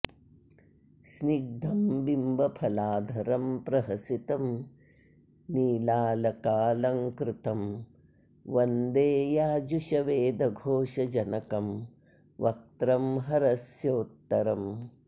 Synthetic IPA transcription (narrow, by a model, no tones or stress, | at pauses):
sniɡ̚d̪ʱɐmbimbɐpʰɐlaːd̪ʱɐɾɐmpɾɐɦɐsit̪ɐm | niːlaːlɐkaːlɐŋkɾɪt̪ɐm | ʋɐnd̪eːjaːd͡ʒuʃɐʋeːd̪ʱɐɡʱoːʂɐd͡ʒɐnɐkɐm | ʋɐk̚t̪ɾɐmɦɐɾɐsjoːt̪ːɐɾɐm